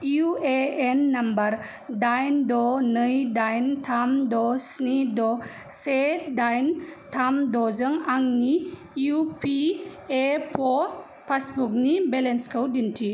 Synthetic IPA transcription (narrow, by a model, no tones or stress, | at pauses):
ueenːambɐɾ | dajndɔnɯjdajntʰamdɔsnidɔ | sedajntʰamdɔzɯŋaŋni | jupʰi | epʰɔ | pʰasbuk̚nibelenskʰəwdintʰi